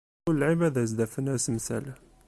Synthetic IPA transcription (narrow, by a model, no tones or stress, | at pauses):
ʊləlʕimæðæzd̪æfənæsmsæ̰l